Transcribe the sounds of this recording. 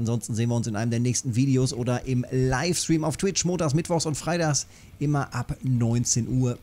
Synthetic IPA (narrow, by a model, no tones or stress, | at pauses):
nzɔnstn̩zeːənviːɐʊnsɪnʔaɪnəm̩deːɐnɛːçstn̩viːdeoːsʔoːdɐʔɪmlaɪfstʁ̥iːmaʊftʰw̥ɪt͡ʃmoːntaːs̬mɪtv̥ɔxsʊntfʁ̥aɪtaːxs | ʔɪmɐʔapnɔʏnt͡seːnʔuːɐ